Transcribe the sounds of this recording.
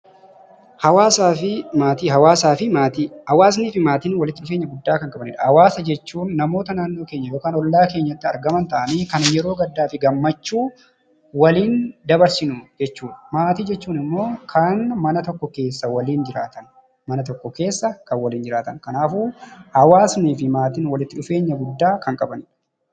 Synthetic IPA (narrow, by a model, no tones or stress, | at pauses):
hɐwaːsaːfɪmaːt̪iɦɐwaːsaːfɪmaːt̪ihɐwaːs̬niːfɪmaːt̪iːnwɐlɪt̪ːɪʊfeːɲːɐɡʊd̪ːaːkɐŋkʼɐbɐnɪ̰ᶑɐhɐwaːsɐd͡ʒɛt͡ʃːuːnːɐmo̞ːt̪ɐnaːnːo̞ːke̞ːɲːɐjo̞ːkaːnɔlːaːke̞ːɲːɐt̪ːɪɐɾɡɐmɐnt̪ɐʔɐniːkɐnjɛɾo̞ːɡɐd̪ːaːfɪɡɐmːɐt͡ʃːuː | wɐliːnd̪ɐbɐɾsɪnʊd͡ʒɛt͡ʃːuːᶑmaːt̪iːd͡ʒɛt͡ʃːuːnɪmːo̞ːkʰɐnmɐnɐt̪ɔkːɔke̞ːsːɐwɐliːnd͡ʒɪɾaːt̪ɐn | mɐnɐt̪ɔkːɔke̞ːsːɐkɐnwɐliːnd͡ʒɪɾaːt̪ɐnkɐnaːfuːhɐwaːsniːfɪmaːt̪iːnwɐlɪt̪ːɪᶑʊfe̞ːɲːɐɡʊd̪ːaːkɐŋkʼɐbɐniːᶑɐ̥